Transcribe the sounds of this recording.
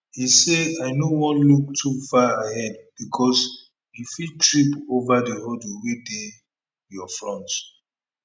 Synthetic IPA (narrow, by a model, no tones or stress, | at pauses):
hisedajnowɔ̃nluk̚tʰufaaɦɛd̚b̥ikʰɔs | jifitɹipovadehɔduwede | jɔfɹɔ̃ntt